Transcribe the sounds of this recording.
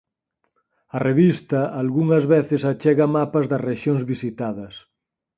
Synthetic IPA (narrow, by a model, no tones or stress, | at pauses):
ɐreβist̪ɐalɣuŋɐzβeθɪsat͡ʃɛɣɐmapɐzðɐsreʃjoŋzβisit̪aðɐs